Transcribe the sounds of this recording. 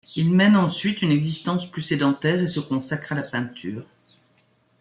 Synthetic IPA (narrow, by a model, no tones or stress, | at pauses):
ilmɛnɑ̃sɥit̪ynɛɡzist̪ɑ̃splysed̪ɑ̃t̪ɛːʁesəkɔ̃sakχalapɛ̃t̪ʰyːʁ